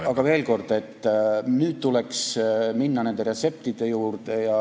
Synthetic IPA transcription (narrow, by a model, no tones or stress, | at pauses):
ɑɡ̥ɑve̞ːlko̞rd̪e̞t̪ːnyːt̪t̪uleksminːɑne̞nd̪eɾe̞t̪se̞p̚t̪id̪̥e̞juːrt̪e̞jɑ